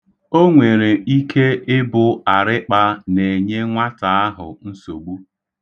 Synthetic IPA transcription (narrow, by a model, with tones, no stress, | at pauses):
o˦ŋʷe˨ɾe˨i˦kʰe˦ʔɪ˦bʊ˨a˨ɾɪ˦k͡pa˦ne˨ɲe˦ŋʷa˦ta˨a˦ɦʊ̰˨n̩˦so˨ɡ͡bu˦